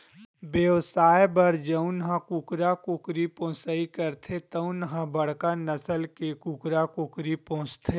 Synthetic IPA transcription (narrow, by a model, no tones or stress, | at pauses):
bjeʋsaːjebɐɾd͡ʒəʊ̃nɦãkʊkɾakʊkɾipõːsaːikɐɾt̪ʰet̪ɐʊ̃nɦãbɐɽ̤kanɐsəlkekʊkɾakʊkɾipõɦʊ̃t͡ʃt̪ʰe